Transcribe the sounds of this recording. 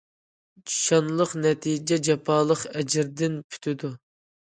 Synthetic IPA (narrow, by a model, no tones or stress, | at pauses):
d͡ʒi̥ʃɑnlˠəqnɛt̪ʰid͡ʒɛd͡ʒɛpʰɑːlˠəqɛd͡ʒɪɾd̪ɪnpʰy̥t̪ʰɪd̪u